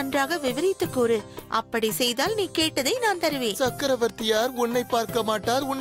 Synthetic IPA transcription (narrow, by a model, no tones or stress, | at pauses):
ɐndraːɣɐʋɪʋɐɾɪt̪ːɯkːoɾɯʔɐ̰pːɐɽisɛjðaːlniːkeːʈːɐðɐɪnaːnt̪ɐɾɯʋẽːnsɐkːɐɾɐʋɐɾt̪ɪjaːɾʊɳːɐɪpːaːɾkɐmaːʈːaːɾʊnː